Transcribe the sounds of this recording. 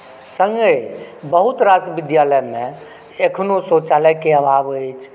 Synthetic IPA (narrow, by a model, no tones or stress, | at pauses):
sə̃ŋɡəj | bəɦut̪ɾasʋɪd̪jaləjmẽ | ekʰnosot͡ʃaləkeəbʱabəjt͡ʃʰ